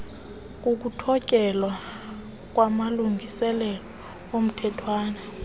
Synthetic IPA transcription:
k̬ʼuk̬utʰɔcʼɛlwa | k̬ʼwamaluŋɡʱisɛlɛlɔ | om̩tʰɛtʰwaːnɛ

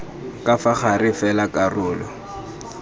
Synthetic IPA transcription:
kʼafaχarɪfɛlakʼarʊːlɔ

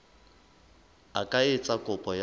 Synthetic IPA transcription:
akʼaet͡sʼakʼʊpʼɔj

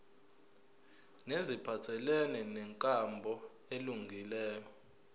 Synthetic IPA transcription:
nezipʰatʰɛlɛnɛnɛŋkʼambʱɔ | eluŋɡʱilɛːjɔ

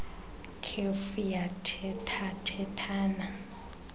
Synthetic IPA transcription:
kʰefujatʰɛtʰatʰɛtʰaːna

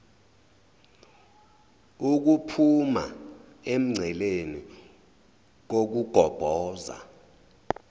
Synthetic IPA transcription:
uk̬upʰuma̰ | em̩ŋ͡ǀʱɛleni | k̬ok̬uɡ̥ʱɔb̥ʱɔːza̰

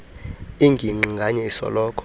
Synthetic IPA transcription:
iŋɡʱiŋ͡ǃiŋɡʱaɲɛisɔ̰lɔːkʰʼɔ̥

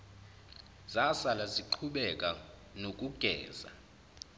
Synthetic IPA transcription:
z̥asalaziǃʰuɓɛkʼa | nok̬ʼuɡ̥ʱɛ̰ːza̰

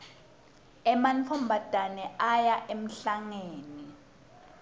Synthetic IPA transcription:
ɛmant͡fʰɔmbʱad̥ʱanɛʔajaʔem̩ɬaŋeːni

